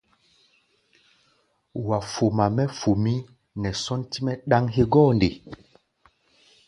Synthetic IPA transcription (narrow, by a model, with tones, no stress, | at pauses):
wa˨fo˨ma˨mɛ˦fo˨mi˦ | nɛ˨sɔ˦nti˦mɛ˦ɗa˦ŋɦe˦ɡɔ˦˨nde˨